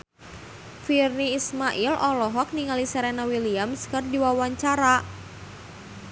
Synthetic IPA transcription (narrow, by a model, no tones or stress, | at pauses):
firniːsmaʔilʔɔlɔɦɔk̚niŋalisɛɾɛnawiliamskərdiwawaɲt͡ʃaɾa